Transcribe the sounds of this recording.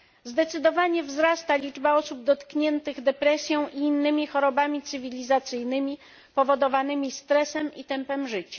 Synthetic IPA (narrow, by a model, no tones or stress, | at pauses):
zd̪ɛt̪sɘd̪ɔvaɲɛvzɾast̪alʲid͡ʐbaɔsub̚d̪ɔt̪kɲɛnt̪ɘɣd̪ɛpɾɛsʲjɔ̃w̃ʔiːnːɘmʲixɔɾɔbamʲit̪sɘvʲilʲizat̪sɘjnɘmʲi | pɔvɔd̪ɔvanɘmʲist̪ɾɛsɛmit̪ɛmpɛmʐɘt͡ɕḁ